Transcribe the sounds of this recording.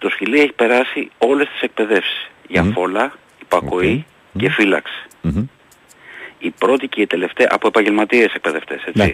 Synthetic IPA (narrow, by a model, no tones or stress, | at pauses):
t̪o̞sçilie̞çi̥pe̞ɾɐsio̞le̞st̪i̥se̞k̚pe̞ðe̞fsi̥sʝɐfo̞lɐ | ipɐko̞i | ce̞filɐ̰ksi̥ | ipɾo̞t̪iciet̪e̞le̞ft̪eʔɐ̰poepɐɲɟe̞lmɐt̪iese̞k̚pe̞ðe̞ft̪e̞se̞t͡sḭ